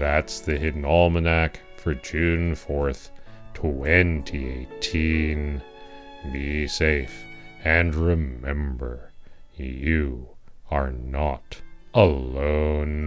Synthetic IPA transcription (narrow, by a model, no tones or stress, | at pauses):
ðætsðɨɦɪdⁿn̩ɔlˠmənæk | fə˞d͡ʒʉ̃nfɔɹθtʰɛ̃ntʰieɪtʰĩn | biseɪfɨ̃nɹɪmɛ̃mbə˞ | jɨ | ə˞nəɾ | əlõʊ̃n